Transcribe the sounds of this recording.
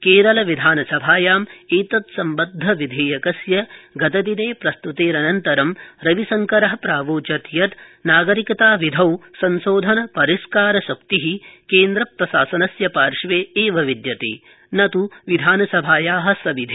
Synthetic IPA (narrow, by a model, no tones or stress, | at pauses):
keːɾɐlɐʋid̪ʱaːnɐsɐbʱaːjaːmeːt̪ɐt̪sɐmbɐd̪ʱːɐʋid̪ʱeːjɐkɐsjɐɡɐt̪ɐd̪ineːpɾɐst̪ut̪eːɾɐnɐnt̪ɐɾɐmɾɐʋisɐŋkɐɾɐɦɐpɾaːʋoːt͡ʃɐt̪jɐt̪naːɡɐɾikɐt̪aːʋid̪ʱɐwsɐnsoːd̪ʱɐnɐpɐɾiskaːɾɐsɐkt̪iɦikeːnd̪ɾɐpɾɐsaːsɐnɐsjɐpaːɾʂʋeːeːʋɐʋid̪jɐt̪ḛː | nɐt̪uʋid̪ʱaːnɐsɐbʱaːjaːɦɐ̆sɐbid̪ʱe